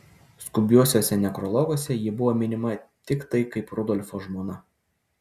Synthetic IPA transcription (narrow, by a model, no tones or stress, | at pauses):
skʊbʲuɔsʲoːsʲɛnʲɛkɾɔlˠɔɡoːsʲɛjɪbʊʋoːmʲɪnʲɪmɐt̪ʲɪkt̪ɐɪkɐɪpɾɔd̪ɔlʲfoːʒmoːnɐ